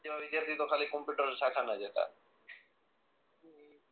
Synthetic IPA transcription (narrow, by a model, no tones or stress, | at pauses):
ebabid̪jaɾt̪it̪okʰalikompjuʈaɾeʃʰakʰanad͡ʑet̪a̰